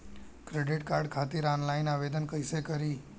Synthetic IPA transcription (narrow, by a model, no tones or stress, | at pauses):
kɾeɖiʈkaɾɖkʰat̪iɾanlainaʋed̪ənkəisekəɾi